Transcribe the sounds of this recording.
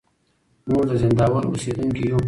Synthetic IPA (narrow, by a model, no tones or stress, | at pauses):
moʐd̪əzɪnd̪ɑːwəɾo̰sed̪uŋkijo